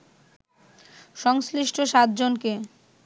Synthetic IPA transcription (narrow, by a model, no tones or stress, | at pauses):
ʃɔŋsliʃʈʰoʃat̪̚d͡ʑonke